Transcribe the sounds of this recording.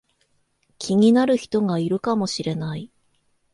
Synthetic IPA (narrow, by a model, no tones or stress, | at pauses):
kʲʰiɲ̟inaɾɯ̟çi̥t̪o̞ɡaiɾɯ̟kamo̞ɕiɾe̞nai